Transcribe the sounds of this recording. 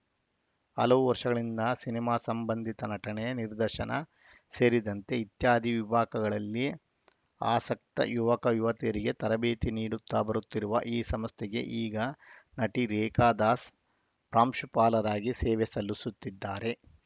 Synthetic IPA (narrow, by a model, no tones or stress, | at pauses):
ɐ̰lɐʋuʋɐɾʂɐɡɐɭind̪ɐsinimaːsɐmbɐnd̪ʱit̪ɐnɐʈɐɳɛjɐniɾd̪ɐʃɐnɐ | se̞ːɾid̪ɐnt̪e̞it̪jaːd̪ʱiʋibʱaːkɐɡɐɭɐlːi | aːsɐk̚t̪ɐ̰juʋɐkɐjuʋɐt̪ijɐɾiɡe̞t̪ɐɾɐbeːt̪iniːɽut̪ːabɐɾut̪ːiɾuʋɐ̰ʔiːsɐmɐst̪ʰɛɡe̞̰ʔiːɡɐnɐʈiɾeːkaːd̪aːs | pɾaːmʃupaːlɐɾaːɡiseːʋɛsɐlusut̪ːid̪ːaːɾe̞